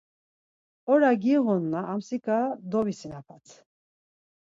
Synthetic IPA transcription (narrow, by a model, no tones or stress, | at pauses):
ɔɾaɡiʁɔnːaʔːmsikʼad̪ɔvisinapʰat͡sʰ